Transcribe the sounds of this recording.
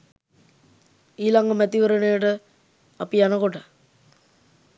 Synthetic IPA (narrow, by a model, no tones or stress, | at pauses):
iːlaŋɡəmæt̪iʋəɾənejəʈə | apijanəkoʈə